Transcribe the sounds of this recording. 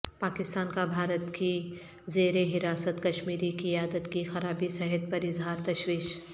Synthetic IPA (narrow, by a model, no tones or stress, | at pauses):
paːkɪst̪aːnkabʱaːɾət̪ki | zeːɾeɦɪɾaːsət̪kɐʃmiːɾikiaːd̪ət̪kixɐɾaːbisɛɦɛt̪̚pɐɾɪzɦaːɾt̪ɐʃwiːʃ